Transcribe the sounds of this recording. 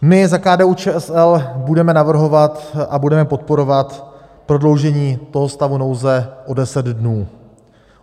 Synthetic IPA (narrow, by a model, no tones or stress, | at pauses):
mɪzakaːdɛːut͡ʃɛːɛsɛlbudɛmɛnavr̩ɦo̞vat̪ʔabudɛmɛpo̞t̪̚po̞ɾo̞vat̪ | pɾo̞dlo̞wʒɛɲiːt̪o̞ɦo̞st̪avuno̞wzɛʔo̞dɛsɛd̪dnuː